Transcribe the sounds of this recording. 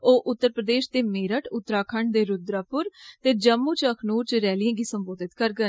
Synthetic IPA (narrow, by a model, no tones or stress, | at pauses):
oːʔʊt̪ːəɾpɾəd̪eːʃd̪eːmeːɾəʈʊt̪ːɾaːkʰəɳɖd̪eːɾʊd̪ɾaːpʊɾt̪eːd͡ʒəmːuːt͡ʃəkʰnuːɾt͡ʃɾɛːlɪijãːɡiːsəmboːd̪ɪt̪kəɾɡən